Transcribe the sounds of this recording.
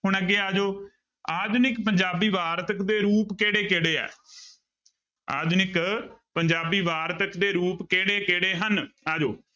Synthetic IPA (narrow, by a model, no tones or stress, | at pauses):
ɦʊɳəɡeːaːd͡ʒoː | aːd̪nɪkpəɲd͡ʒaːbiːʋaːɾt̪əkd̪eːɾuːpkeːɽeːkeːɽeːɛ̰ː | a̰ːd̪nɪkpəɲd͡ʒaːbiːʋaːɾt̪əkd̪eːɾuːpkeːɽeːkeːɽeːɦənaːd͡ʒoː